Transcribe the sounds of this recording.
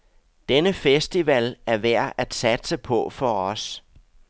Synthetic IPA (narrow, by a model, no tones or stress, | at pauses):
d̥enəfesd̥iʋælæɐʋæɐ̰ʔæd̥sæd̥səpʰɒ̽fɒ̽ɒ̽s